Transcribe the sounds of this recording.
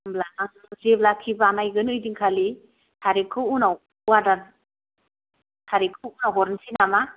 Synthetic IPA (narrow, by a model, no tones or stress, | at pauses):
mblanaŋ | zeblakʰibaːnajɡɯnɯjdiŋkʰali | tʰaɾikʰɯwunaw | uwada | tʰaɾikʰɯwunaɦɔɾnsinama